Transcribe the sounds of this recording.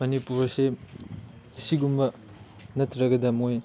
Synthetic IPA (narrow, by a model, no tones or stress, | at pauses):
mɐnipuɾɐse | siɡumbɐ | nɐtʰɾɐɡɐdɐmoj